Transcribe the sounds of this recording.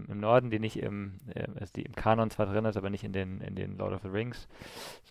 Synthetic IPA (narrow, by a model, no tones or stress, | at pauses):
mɪmnɔɐdn̩diːnɪçtɪ̰mʔɛ̰ʔazd̥ḭːʔɪmkʰaːnɔnt͡sv̥aːɐdʁɪnɪstaːbɐnɪçtɪndeːnɪ̰ndḛːnlɔ̰ʊɾɔfəʁɪŋsz